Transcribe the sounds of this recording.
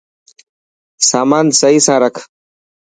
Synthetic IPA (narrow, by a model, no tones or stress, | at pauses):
saːmaːnsəɦiːsãːɾəkʰ